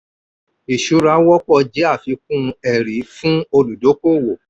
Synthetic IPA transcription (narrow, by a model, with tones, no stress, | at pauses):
i˨ʃu˨˦ɾa˧˦wɔ˦k͡pɔ˦˧d͡ʒɛ˨˦a˦˨fi˨˧˦k̚ũ˦˧ɛ˨ɾi˨˦fũ˦o˧lu˨do˨˦ko˦˨wo˨